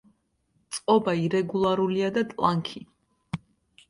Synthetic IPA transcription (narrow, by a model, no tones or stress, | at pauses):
t̪sʼqʼɔbaiɾɛɡulˠaɾuliad̪at̪ʼlˠaŋkʰi